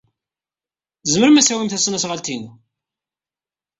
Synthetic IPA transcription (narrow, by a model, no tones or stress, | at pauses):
zəməɾəmæsæwimθæsnæsʁalt̪inu